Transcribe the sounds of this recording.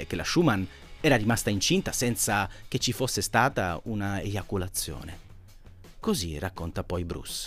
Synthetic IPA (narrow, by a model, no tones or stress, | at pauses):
ekelaʃuman | ɛːɾaɾimast̪aint͡ʃint̪asɛnt̪sak̟et͡ʃːifosːest̪aːt̪a̰unaed͡ʒakulat̪sːjo̰ːne | kozirakːont̪apɔjbɾṵs